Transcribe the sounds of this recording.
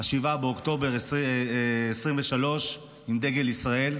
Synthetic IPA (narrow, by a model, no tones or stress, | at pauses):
aʃivabeokt̪o̞beʁ | esʁimveʃalo̞ʃ | imd̪e̞ɡelisʁae̞l